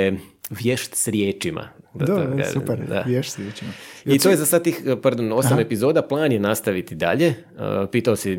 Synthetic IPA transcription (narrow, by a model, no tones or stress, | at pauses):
ʋjeʃt̪sɾjeːt͡ʃima̰d̪a̰upɛɾd̪a̰ʋjeʃt̪sɾjet͡ʃimait̪ojezasad̪̚t̪iːxpaɾd̪ono̞same̞pizo̞ːd̪aplˠaːnjenast̪aʋit̪id̪a̰ʎe̞ | əpiːt̪aosi